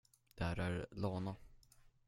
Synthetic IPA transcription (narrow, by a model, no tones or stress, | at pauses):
d̪̥æɾæɾloːna